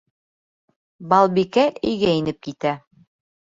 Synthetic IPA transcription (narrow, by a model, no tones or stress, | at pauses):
bɑlˠbikæʔɘ̆jɡæinɘp̚kit̪æ